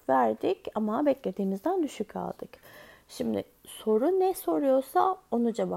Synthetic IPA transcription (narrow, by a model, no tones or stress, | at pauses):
væɾd̪icamabɛclʲe̞d̪iːnizd̪ænd̪yʃycʰa̰lˠd̪̥ɯk | ʃimd̪ɪ̰ | so̞ɾunɛso̞ɾujo̞ɾsao̞nud͡ʒaba